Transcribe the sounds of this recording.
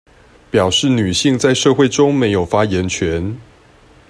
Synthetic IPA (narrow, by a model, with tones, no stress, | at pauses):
pjɑ˨˩ʊʂɻ̩˥˩ny˨˩ɕi˥˧ŋt͡sa˥˧ɪʂɤ˥˧xwe˥˩ɪʈ͡ʂʊ˥ŋme˧˥ɪjo˨˩ʊfa˥jɛ˧˥nt͡ɕʰɥɛ˧˦n